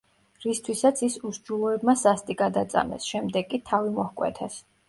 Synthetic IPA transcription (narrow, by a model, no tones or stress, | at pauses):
ɾist̪ʰwisat̪sʰisusd͡ʒulˠɔɛbmasast̪ʼiɡad̪at̪sʼa̰mɛ̰sʃɛmd̪ɛɡkʼit̪ʰavimɔhkʼwɛ̰t̪ʰɛs